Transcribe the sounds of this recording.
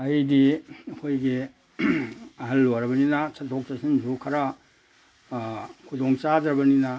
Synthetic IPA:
ɐjdiɐkʰojɡe | ɐɦɐlːoɾɐbɐninɐsɐtʰok̚tasind͡ʒukʰɐɾa | kʰudoŋt͡ʃadɾɐbɐninɐ

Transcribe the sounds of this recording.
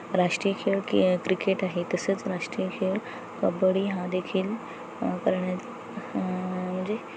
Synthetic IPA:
ɾaʂʈɾijəkʰeɭkikɾikeʈaɦet̪əsəːt͡sɾaʂʈɾijəkʰeɭ | kəbəɽiːɦãd̪ekʰiːl | kəɾɳja | m̤əɳd͡ze

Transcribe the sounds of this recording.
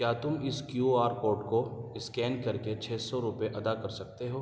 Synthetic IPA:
kjaːt̪ʊmɪskjuaːɾpoːɾʈkoɪskɛːnkɐɾket͡ʃʰɛːsɔɾʊpeʔɐd̪akɐɾsɐk̚t̪eɦoː

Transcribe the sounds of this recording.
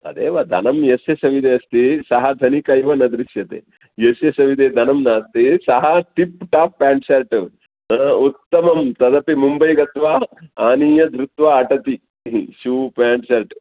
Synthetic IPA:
ɐ̰d̪eːʋɐd̪ʱɐ̰nɐmjɐsjɐsɐʋid̪eːɐst̪isɐɦɐd̪ʱɐnikɐjʋɐnɐd̪ɾiʃjɐt̪ḛː | jesjɐsɐʋid̪eːd̪ʱɐnɐmnaːst̪isɐɦɐʈipʈaːppaːɳʃɐlʈ | ut̪ːɐmɐmt̪ɐd̪ɐpimumbɐjɡɐt̪ʋaːaːniːjɐd̪ʱɾut̪ʋaːʈɐt̪i | ʃuːpaːɳɖʃɐlʈ

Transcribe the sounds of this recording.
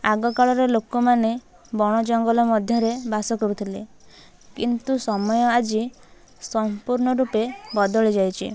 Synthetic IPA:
aɡɔkaɭɔɾelokɔmane | bɔɽ̃ɔd͡ʒɔŋɡɔlɔmɔd̪ʱjɔɾebasɔkɔɾut̪ʰile | kint̪usɔmɔjɔad͡ʒi | sɔmpuɾɳɔɾupebɔd̪ɔɭid͡ʒajt͡ʃʰḭ

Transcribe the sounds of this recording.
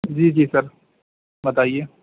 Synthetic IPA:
d͡ʒiːd͡ʒiːsɐɾ | bɐt̪aːieː

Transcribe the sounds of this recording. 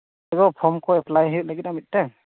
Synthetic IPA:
ɛɡɔpʰɔmkʰɔɛpʰlajɦɯʔ̚laɡit̚namit̪̚tɛŋ

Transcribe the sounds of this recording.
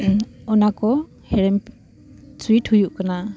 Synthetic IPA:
ɔnakɔ | hɛɽɛm | suiʈhujuʔkana

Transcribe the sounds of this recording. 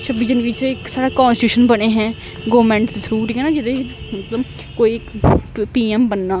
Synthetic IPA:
ʃəbid͡ʒənʋɪt͡ʃɪksaːɽaːkãːnsʈuːʃənbəɽ̃eːɦɛ̃ː | ɡoːmɛ̃ːɳʈd̪et̪ʰɾuːʈiːkɛ̃ːnaːd͡ʒɪd̪emət̪ləb | koːiːɪkpiːɛmbənːaː

